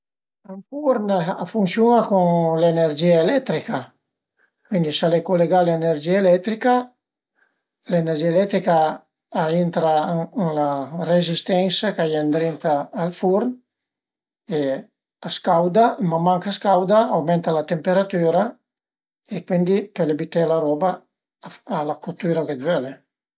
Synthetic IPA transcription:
aɱfuɾnafunsjunakuŋlenerd͡ʒiaelɛt̪ɾika | kwind̪isalekoleɡaleneɾd͡ʒiaelɛt̪ɾika | lenerd͡ʒiaelɛt̪ɾikaː | int̪ɾalarezist̪ɛnsakajand̪ɾint̪aːlfuɾn | e | askawd̪amamaŋkaskawd̪aawmɛnt̪alat̪empeɾat̪yːɾa | ekwind̪ipelebit̪elaɾɔbaː | lakut̪yːɾaked̪vøle

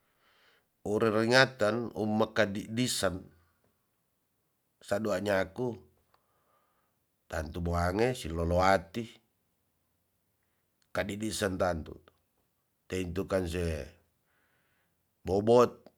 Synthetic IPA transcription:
uɾiriŋat̪anṵmːakadiʔdisan | saduaɲaku | t̪ant̪uboaŋesilɔloat̪i | kadidisant̪ant̪ṵ | t̪eint̪ukans̬ɛ | bɔbɔt̪̚

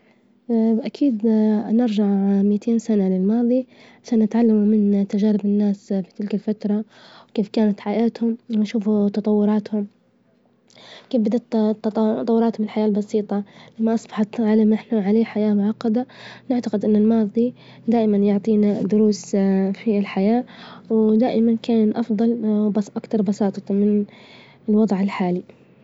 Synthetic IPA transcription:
bʔakʰiːd̪nɪɾʒaʕmɪjːt̪ʰeːnsanalɪlmɑːðˤi | ʕaʃaːnːɪt̪ʕalːamumɪnt̪aʒaːɾɪbɪnːaːsfi̥t̪ɪlkɪlfat̪ɾˤɑ | wkeːfkaːnat̪ħaʔaːt̪hʊmwɪnʃuːfut̪ɑt̪ˤɑwːʊɾˤɑːt̪hʊm | keːfbɪd̪at̪t̪ːt̪ˤɑwːʊɾɑːt̪hʊmɪlħajaːlbɑsiːt̪ˤɑlamːaʔɑsˤbɑħɑt̪ʕalamɪħnaʕaleːħajaːmʊʕɑqːɑd̪anɪʕt̪aqɪd̪ʔɪnːɪlmɑːd̪ˤi | d̪aːʔɪmanjʊʕt̪ˤiːnad̪ʊɾuːsfilħajaːwd̪aːʔɪmankaːnʔɑfd̪ˤɑlʔakt̪ɑɾˤbɑsɑːt̪ˤɑmɪn | ɪlwɑd̪ˤʕɪlħaːli

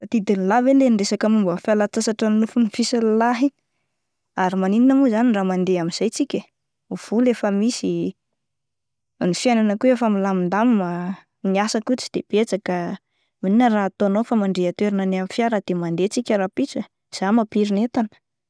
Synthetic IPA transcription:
at̪id̪inlavelenɖ͡ʐesakəmumbəfialat͡sasaʈ͡ʂannufunifisəllaɦi | aɾimanininamuzaniramand̪eamiz̥ajt͡sikʲə | uv̥ulefəmisi | nifjajnanəkuefamilamind̪amima | niasakut͡si̥d̪̥eb̥et͡sakə | mininəraat̪oanofamaɳɖ͡ʐeat̪weɾananamifjaɾad̪̥emand̪et͡sikʲəɾapit͡sə | z̥amapiɾinet̪anə̥

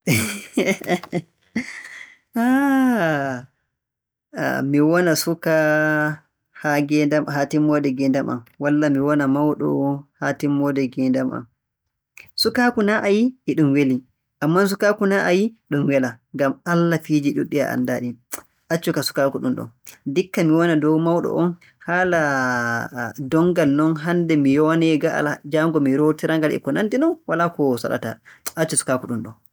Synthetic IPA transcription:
ʔa | miwɔnasuka | haɡɛdamhatimːɔdɛɡɛndamʔa̰mwalːamiwɔnamawɗɔ̰hatimːɔdɛɡɛndama̰m | sukaːkunaʔajiːɗumweli | ʔamːans̬ukaːkunaʔajiɗumwɛlaŋɡamalːafid͡ʒiɗuɗːia̰ʔa̰ndaːɗi | ʔat͡ʃːɔkasu̥kaːkuɗunɗɔ̰dikːamiwɔnadɔwmawɗɔ̰ʔɔn | hala | dɔŋɡalnɔnɦandɛmijɔwanɛɡaʔa̰lad͡ʒaŋɡɔmiɾotiɾaŋɡalɛ̰kɔnantinɔnwalakɔsa̰ɗa̰ta̰at͡ʃːɔsu̥kakuɗunɗɔ̰n

